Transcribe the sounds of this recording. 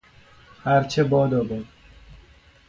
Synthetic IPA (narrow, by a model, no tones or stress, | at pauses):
hæɾt͡ʃʰebɒːd̪ɒːbed̪